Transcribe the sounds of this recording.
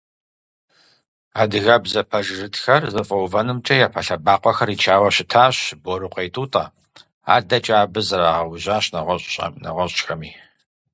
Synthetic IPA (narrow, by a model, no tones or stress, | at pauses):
aːdɨɣɐbzɐpʰɐʒɪrɨtxɐrzɨfʼɐwvɐnɨmt͡ʃʼɐjaːpʰɐɬɐbaːqʷɔxɐɾiːt͡ʃʰaːʁɐɕɪtʰaːɕboɾɨqʷʼeːtʼuːtʼa̰ː | a̰ːdɐt͡ʃʼaːbɨzɐɾaːʁɐwʊʑaːɕnɐʁʷɔɕʼɕʼɐ̰mnɐ̰ʁʷɔɕʼxɐmiː